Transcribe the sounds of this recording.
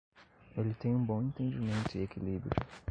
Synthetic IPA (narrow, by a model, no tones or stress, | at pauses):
elɪt̪ẽj̃ũbõẽnt̪ẽd͡ʒimẽnt̪ʊiekilibɾʊ